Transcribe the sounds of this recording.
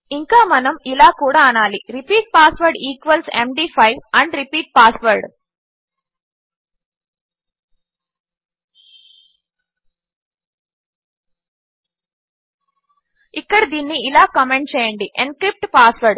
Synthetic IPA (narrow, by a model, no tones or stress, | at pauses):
iŋkaːmɐnɐmilaːkuːɽaːɐnaːliɾipiːʈ̚paːsʋɐɾɖiːkʋɐlsḛmɖiːpʰɐjʋɐɳɖɾipiːʈ̚paːsʋɐɾɖ | ikːɐɽɐd̪iːnːiːlaːkɐmeɳʈ̚t͡ʃɛːjɐɳɖiʔenkɾip̚ʈpaːsʋɐɾɖ